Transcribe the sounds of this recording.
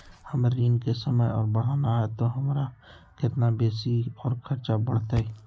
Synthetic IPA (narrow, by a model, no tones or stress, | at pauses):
həmɾiːnkesəməjɔːɾbəɽ̤aːnaɦɛt̪oɦɐmːɾakɪt̪nabeːsiɔːɾkʰɐɾt͡ʃabəɽ̤t̪ɛː